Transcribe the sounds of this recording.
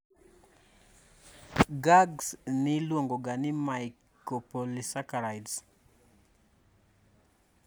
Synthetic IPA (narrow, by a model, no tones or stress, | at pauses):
ɡaɡsnɪlwoŋɡoɡanɪmaj | kopolisakaɾajds